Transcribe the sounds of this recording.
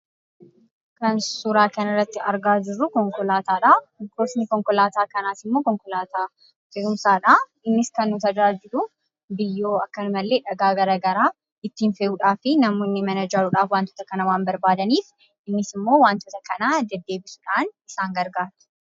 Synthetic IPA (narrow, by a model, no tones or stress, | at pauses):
kɐnsʊɾaːkɐnɐrːɐt̪ːɪɐɾɡaːd͡ʒɪrːʊkɔŋkɔlaːt̪aːᶑakoːsnɪkɔŋkɔlaːt̪aːkɐnaːsɪmːoːkɔŋkɔlaːt̪aː | fɛʔʊmsaːᶑa | ɪnːɪskɐnːʊt̪ɐd͡ʒaːd͡ʒɪɾʊ | bɪjːoːɐkːɐnmɐlːe̞ːᶑɐɡaːɡɐɾɐɡɐɾaː | ɪt̪ːiːnfɛʔuːᶑaːfɪnɐmoːnːɪmɐnɐd͡ʒaɾʊᶑaːfwaːnt̪ɔ̥ːt̪ɐkɐnɐwaːnbɐɾbaːd̪ɐniːf | ʔɪnːɪsɪmːo̞ːwaːnt̪ɔt̪ɐkɐnad̪ɛd̪ːe̞ːbɪsʊ̥ᶑaːnɪsaːŋɡɐɾɡaːɾt̪ʊ̥